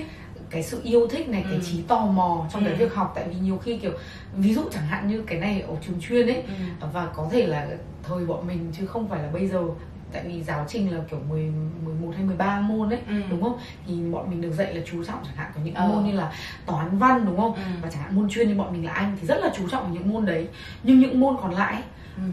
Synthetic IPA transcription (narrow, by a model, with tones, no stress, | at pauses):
kaː˨˦jsɨ̰˧˨ʔi˧əwt̪ʰï˦˥k̟̚na˨˩jkaː˨˦jt͡ɕi˨˦t̪ɔ˧˩mɔ˨˩t͡ɕɔ˧wŋ͡mkaː˨˦jvi˦˥ək̚ɦa˨˩k͡p̚t̪a̰ː˧˨jvi˨˩ɲi˨˩əwxi˧ki˧˩əw | vi˨˦zṵ˧˨t͡ɕaː˧˩ŋɦa̰ː˧˨nɲɨ˧kaː˨˦jna˨˩jʔə˨˩t͡ɕɨ˨˩əŋt͡ɕwi˧ənʔə˨˦jvaː˨˩kɔ˨˦t̪ʰe˧˩laː˨˩ | t̪ʰəː˨˩jɓɔ̰˧˨nmï˨˩ŋ̟t͡ɕɨ˨˦xə˧wŋ͡mfaː˧˩jlaː˨˩ɓə˧jzəː˨˩ | t̪a̰ː˧˨jvi˨˦zaː˨˦wt͡ɕï˩ŋ̟laː˨˩ki˧˩əwmɨ˨˩əjmɨ˨˩əjmo˨˩t̚haː˧jmɨ˨˩əjɓaː˧mo˧nʔə˨˦jɗʊ˨˦ŋ͡mxə˧wŋ͡m | t̪ʰi˨˩ɓɔ̰˧˨nmï˨˩ŋ̟ɗək̚zə̰˧˨jlaː˨˩t͡ɕu˨˦t͡ɕɔ̰˧˨wŋ͡mt͡ɕaː˧˩ŋha̰ː˧˨nkɔ˨˦ɲɨ̰˧˥ŋʔaː˧mo˧nɲɨ˧laː˨˩ | t̪aː˨˦nva˧nɗʊ˨˦ŋ͡mxə˧wŋ͡mvaː˨˩t͡ɕaː˧˩ŋa̰ː˧˨mo˧nt͡ɕwi˧ənɲɨ˧ɓɔ̰˧˨mï̟˨˩la̰ː˨ʔa˧jŋ̟t̪ʰi˨˩zə˦˥t̚laː˨˩t͡ɕu˨˦t͡ɕɔ̰˧˨wʔːɲɨ̰˧˥ŋmo˧nɗə˨˦j | ɲɨ˧ŋɲɨ̰˧˥ŋmo˧nkɔ˨˩nla̰ː˧˨jʔ